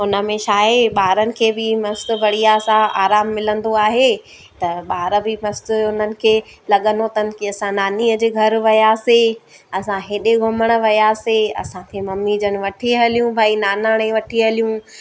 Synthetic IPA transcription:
ʊnə̆mẽʃaːɦeɓaːɾənɪ̆kʰeːbɪmɐst̪ʊ̆bʱɐɽ̤ijasãʔaːɾaːmːɪlə̃nd̪oaːɦe | t̪ɐɓaːɾəbɪmɐst̪ʊ̆ʊnənɪ̆kʰeːlɐɠənot̪ɐnɪ̆kiɐsãnaːniːəd͡ʑeːɡʱɐɾʋɐjaːse | ɐsãɦeɗeɡʱʊməɽ̃ə̆ʋɐjaːseɐ̰sãkʰemɐmːid͡ʑənɪ̆ʋɐʈʰiɦɐlijũbʱaːinaːnaːɽ̃ẽʋɐʈʰiɦɐlijũ

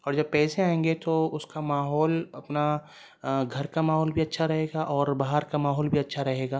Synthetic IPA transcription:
ɔːɾd͡ʒɐb̚pɛːseaːẽːŋɡet̪oʊskamaːɦɔːlɐpna | ɡʱɐɾkamaːɦɔːlbʱiɐtːʃʰaɾɐɦeːɡaʔɔːɾbaɦaɾkamaːɦɔːlbʱiɐtːʃʰaɾɐɦeːɡaː

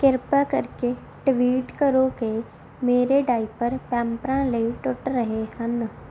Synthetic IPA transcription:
kɪɾpakəɾke | ʈʋiːʈkəɾoke | meːɾeɖaːipəɾpɛ̃ːmpɾãləiʈʊʈɾəɦehə̃n

